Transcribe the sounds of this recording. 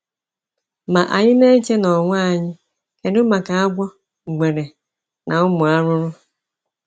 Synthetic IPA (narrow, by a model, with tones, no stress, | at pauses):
ma˨ʔa̰˨ɲɪ˦ne˦t͡ʃe˦nɔ˨ŋʷa˦a˨ɲɪ˦ | ke˨dʊ˦ma˨ka˨a˦ɡʷɔ˦˨ | ɡ͡be˨ɾe˨ | nʔa˨ʊ˦mʊ˨a˦ɾʊ˦ɾʊ˦